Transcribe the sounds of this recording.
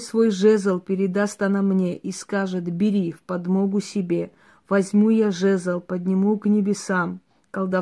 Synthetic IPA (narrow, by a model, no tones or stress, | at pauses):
svo̞jʐɛzəlˠpʲɪɾʲɪd̪ast̪ɐnɐmnʲeʔiskaʐɨt̪bʲɪɾʲifpɐd̪moɡʊsʲɪbʲe̞ | vɐzʲmʲujaʐɛzəlˠpəd̪ʲnʲɪmuknʲɪbʲɪsam | kɐɡ̪d̪a